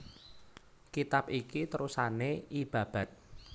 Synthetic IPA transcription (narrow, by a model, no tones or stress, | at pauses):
kit̪apikit̪əɾusaneib̥ä̤b̥a̤t̪̚